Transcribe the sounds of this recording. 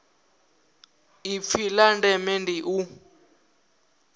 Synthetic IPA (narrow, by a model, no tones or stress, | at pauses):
ip̪filandɛmɛndiʔu